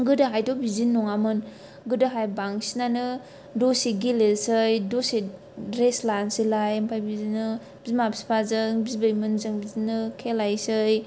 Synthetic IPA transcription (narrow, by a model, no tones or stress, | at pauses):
ɡɯdɯɦajdɔbizinːɔŋamɯn | ɡɯdɯɦajbaŋsinanɯ | dosiɡilelsɯjdose | dɾeslansilajempʰajbizinɯ | bizmabsi̥pʰazɯŋbizbəjmɯnzɯŋbizinɯkʰelajsɯj